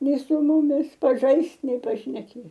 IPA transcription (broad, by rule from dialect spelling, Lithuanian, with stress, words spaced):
ˈnʲɛɪ sʊ ˈmʊmʲɪs pɐˈʒɐɪst nʲɛɪ pɐʃʲnʲɛˈkʲeː